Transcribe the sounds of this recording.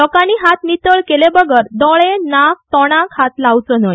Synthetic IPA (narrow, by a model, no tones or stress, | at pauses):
lɔkaniːɦat̪nit̪əɭkelebəɡəɾd̪ɔɭenak̚t̪ɔɽ̃ãkʰat̪laʋt͡sənəj